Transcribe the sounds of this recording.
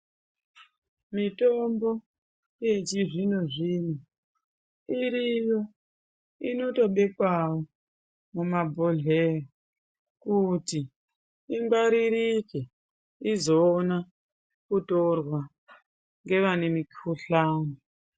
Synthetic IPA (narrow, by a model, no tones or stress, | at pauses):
mitombo̞ | jet͡ʃiʐinoʐino | iɾijo | ino̞to̞ɓe̞kwawo | mumabʱoɮero | kuti | iŋɡaɾiɾike | izoːna | kutorwa | ŋɡe̞ʋane̞mikuɬaːno